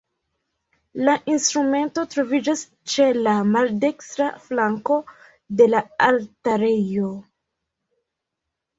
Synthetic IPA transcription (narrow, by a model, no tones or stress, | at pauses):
laʔinstɾume̞nto̞tɾo̞vid͡ʒas | t͡ʃe̞lamalde̞kstɾaflaŋko̞ | de̞laaltaɾejo̞